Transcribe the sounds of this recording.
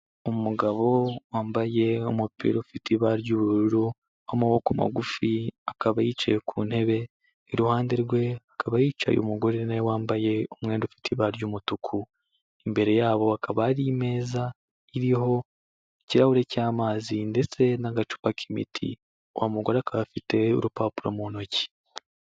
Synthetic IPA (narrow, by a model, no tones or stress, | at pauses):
umuɡaβo̞waːmbaje̞omupḭːɾofitʰiβaɾɟuːβuɾɾuɾu | amuwokuma̰ɡufiakaβajiːt͡ʃa̰jekʰṵːnhe̞βe̞ | iɾuhaːndeɾɡwe̞akaβajiːt͡ʃa̰jo̰muɡo̞ɾenajowaːmbaje̞omŋe̞ːndufi̥tʰiβaɾjuːmutukʰu | imbe̞ɾe̞jaːβo̞akʰaβaːɾime̞ːza | iɾiho̞ | ciɾahuɾe̞caːmaːzinde̞t͡se̞naɡat͡ʃu̥pakʰimḭtʰḭ | owamuɡoɾakʰaβafite̞ṵɾupapuɾomunoci̥